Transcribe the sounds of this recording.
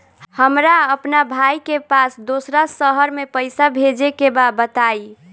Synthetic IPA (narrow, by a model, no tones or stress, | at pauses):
həmɾaəpnabʱajkepasd̪osɾasəɦəɾmepəjsabʱed͡ʒekebabət̪ai